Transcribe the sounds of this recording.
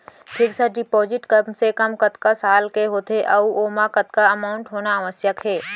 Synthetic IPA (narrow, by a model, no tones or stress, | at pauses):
pʰɪksaɖɪpɔːzɪʈkɐmsekɐmkɐt̪kasaːlkeɦoːt̪ʰeʔɐuʔoːmãkɐt̪̚kaɐmaːʊ̃ɳʈɦoːnaʋəsjəkɦeː